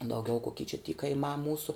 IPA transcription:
dɐʊˈɡʲɛʊ koːˈkʲiː t͡ʃʲɛ tʲiː kɐɪˈmɑː ˈmuːsʊ

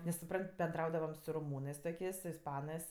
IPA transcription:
nʲɛs sʊˈprɐnʲtʲ bʲɛnˈdrɐʊdɐʋɐm sʊ roːˈmuːnɜs toːˈkʲeːsʲ sʊ ɪsˈpɑːnɜs

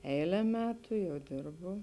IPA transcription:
ˈɛɪlʲɛ ˈmʲæːtʊ ˈjɛʊ ˈdʲɪrbʊ

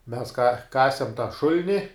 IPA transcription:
mʲɛs kɐ ˈkɑːsʲɛm tɑː ˈʃʊlʲnʲɪ

